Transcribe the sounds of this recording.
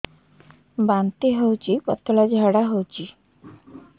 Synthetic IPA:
bant̪iɦowt͡ʃʰipɔt̪ʰɔlad͡ʒɦaɽaɦowt͡ʃʰi

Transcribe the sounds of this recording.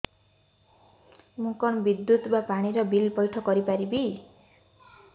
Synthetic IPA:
mũkɔnbid̪ːut̪bapaɽ̃iɾɔbilpɔjʈʰɔkɔɾipaɾibi

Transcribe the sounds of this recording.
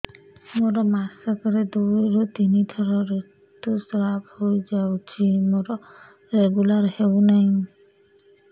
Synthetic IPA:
moɾɔmasɔkɔɾɛd̪uɾɔt̪init̪ʰɔɾɔɾe | t̪usɾaphojd͡ʒawt͡ʃʰimoɾɔ | ɾeɡulaɾhewnaj̃

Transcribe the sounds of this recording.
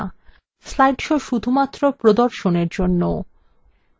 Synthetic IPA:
slajɖʃoʃud̪ʱumat̪ːɾopɾod̪oɾʃoneɾd͡ʑonːo

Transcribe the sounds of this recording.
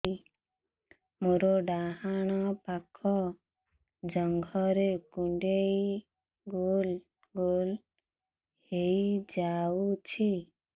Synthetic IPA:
i | moɾɔɖaɦaɽ̃ɔpakʰɔ | d͡ʒɔŋɡʱɔɾekuɳɖej | ɡol | ɡol | hejjd͡ʒaut͡ʃʰi

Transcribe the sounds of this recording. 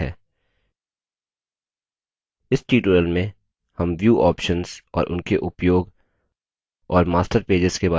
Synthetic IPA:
ɛ̰ː | ɪsʈiːʈoːɾəlmẽ | hɐmʋjuːʔɔːpʃənz̥ɔ̰ːɾʔʊ̰nkeʔʊpjoːɡ | ɔːɾmaːsʈəɾpeːd͡ʒɪz̥kebaː

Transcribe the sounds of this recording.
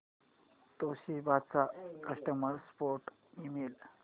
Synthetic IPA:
t̪oɕibad̪̚t͡sakəʂʈəməɾspoɾʈ | imel

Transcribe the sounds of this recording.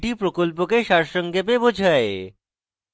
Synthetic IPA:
ʈipɾokolp̬okeʃaɾʃɔŋɡep̬ebod͡ʑʱae

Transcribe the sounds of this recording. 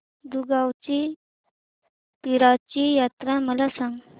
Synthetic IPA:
d̪uɡawt͡ɕi | piɾat͡ɕijat̪ɾaməlasãŋɡ

